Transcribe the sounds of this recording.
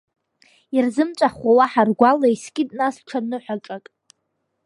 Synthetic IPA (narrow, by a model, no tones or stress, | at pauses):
irzɨmt͡ʃʷʼaχawaħarɡʷalaiskʲʼɪtʼnasʈ͡ʂʰanɨħʷaʈ͡ʂʼakʼ